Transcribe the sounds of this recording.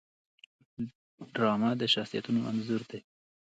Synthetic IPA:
ɖɾɑmad̪əʃaχsija̰t̪unoʔa̰nzuɾd̪e

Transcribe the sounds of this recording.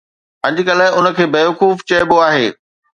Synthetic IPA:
ɐ̃ɲd͡ʑɪ̆kɐləʊnə̆kʰeːbeːʋɐkuːft͡ɕɐɪboaːɦeː

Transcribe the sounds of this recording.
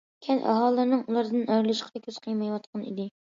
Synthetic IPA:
kʲʰɛnʔɑ̰ɦɑːlˠːɨɾnɨŋulˠɑɾd̪ɨnɑjɾlˠɨʃqʰəd̪ɛkʲʰøz̥qʰəjmɑjwɑt̪̚qʰɑnḭd̪ɪ

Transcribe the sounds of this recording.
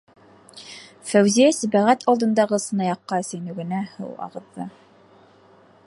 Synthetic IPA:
fæwzijæsæbæʁæt̪ʰɑlˠd̪ɤ̆nd̪ɑʁɤsɤ̆nɑjɑqːɑɘ̆sænɵ̆ɡɘ̆næhɤ̰wɑ̰ʁɤ̆ðːɤ̰

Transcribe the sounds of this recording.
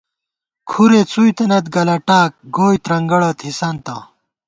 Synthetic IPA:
kʰuɾet͡sujt̪enɐt̪ɡɐlɐʈaːk̚ɡoːjt̪ɾɐŋɡɐɽɐt̪hisɐnt̪ɐ̰

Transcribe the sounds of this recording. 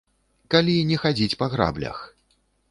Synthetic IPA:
kalʲinʲɛxad͡zʲit͡sʲpɐɣɾa̰blʲɐ̰x

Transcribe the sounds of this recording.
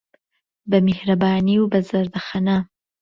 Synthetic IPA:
bəmehɾabɑniubazaɾd̪axana

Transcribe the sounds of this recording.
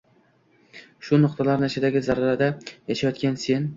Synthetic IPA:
ʃʊnʊqt̪ʰalaɾnɪɪʃɪd̪aɡʲɪzaɾaɾad̪ajaʃajɒt̪kʲanse̞n

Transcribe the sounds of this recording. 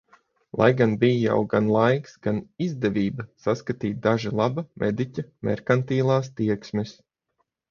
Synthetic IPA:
lˠa̰jɡanbijja̰wɡanlˠajksɡ̥anizd̪ɛvʲiːbɐsaskat̪iːt̪̚d̪aʒilˠabɐmʔɛd̪icʲamɛ̰ɾkant̪iːlˠaːst̪iɛksmɛs

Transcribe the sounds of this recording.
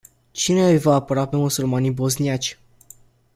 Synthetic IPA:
t͡ʃine̞ɨjvaːpəɾape̞musulmanibo̞zniat͡ʃʲ

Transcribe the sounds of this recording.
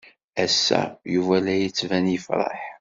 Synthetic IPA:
æsːæ̰juvælæjət͡sːvænjəfɾˤɑ̰ħ

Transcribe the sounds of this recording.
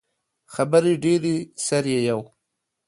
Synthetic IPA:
xabaɾiɖeɾisaɾjejaw

